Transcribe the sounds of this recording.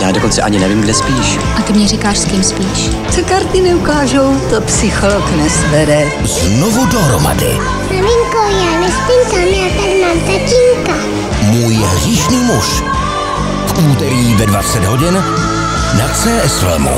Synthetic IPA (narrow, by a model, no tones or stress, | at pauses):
jaːdokont͡sɛʔaɲɪnɛviːmɡdɛspiːʃ | ʔat̪ɪmɲɛrikaːʃskimspiːʃ | t͡sokaɾt̪ɪnɛukaːʒowt̪opsɪxoloknɛsvɛɾɛ | znovudoɦɾoma̰dɪ̰ | zmamɪŋkowjaːnɛspɪnt̪amjaːt̪admaːmt̪acɪŋka | muːjɦr̝iːʃniːmuʃ | fʔuːt̪ɛɾiːvɛdvat͡sɛd̪ɦoɟɪn | nat͡sɛːʔɛslɛ̰mṵ